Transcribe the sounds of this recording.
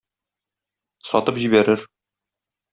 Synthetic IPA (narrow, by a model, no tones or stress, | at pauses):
sɒ̰t̪ɤpʑibæɾɘɾ